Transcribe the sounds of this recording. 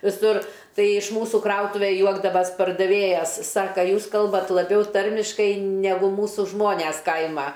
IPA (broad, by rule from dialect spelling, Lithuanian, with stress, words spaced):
ʋʲɪˈsʊr ˈtɐɪ ɪʃ ˈmuːsuː ˈkrɐʊtʊʋʲɛ ˈjuɔɡdɐʋɐsʲ pɐrdɐˈʋʲeːjɛs ˈsɑːkɐ ˈjuːs ˈkɐlˠbɐt lˠɐˈbʲɛʊ ˈtɐrʲmʲɪʃkɐɪ nʲɛˈɡʊ ˈmuːsʊ ˈʒmoːnʲɛs ˈkɐɪmɐ